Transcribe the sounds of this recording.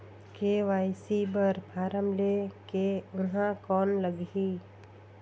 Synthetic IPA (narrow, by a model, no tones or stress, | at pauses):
keʋaːjsibəɾbʱaːɾəmlekeʊɦãkɔːnləɡiː